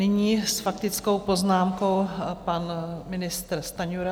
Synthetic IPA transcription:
nɪɲiːsfak̚t̪ɪt͡sko̞wpo̞znaːmko̞wpanmɪnɪst̪ɾst̪aɲuɾa

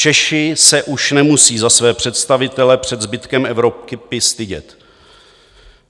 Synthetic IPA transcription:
t͡ʃɛʃɪsɛʔuʃnɛmusiːzasvɛːpr̝̥ɛt̪st̪avɪt̪ɛlɛpr̝̥ɛd̪zbɪt̪kɛmʔɛvɾop̚kɪpɪst̪ɪɟɛ̰t̪

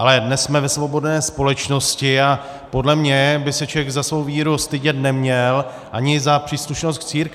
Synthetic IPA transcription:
ʔalɛdnɛssmɛvɛsvo̞bo̞dnɛːspo̞lɛt͡ʃno̞scɪa | po̞dlɛmɲɛbɪsɛt͡ʃɛɡzasvo̞wviːɾust̪ɪɟɛt̪nɛmɲɛl | ʔaɲɪzapr̝̥iːsluʃno̞st̪t͡siːɾk

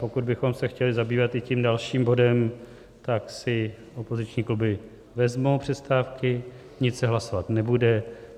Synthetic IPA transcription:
po̞kud̪̚bɪxo̞msɛxcɛlɪzabiːvat̪ɪciːmdalʃiːmbo̞dɛm | t̪aksɪ | ʔo̞po̞zɪt͡ʃɲiːklubɪ | vɛzmo̞wpr̝̥ɛst̪aːfkɪ | ɲɪtsɛɦlaso̞vat̪nɛbudɛ

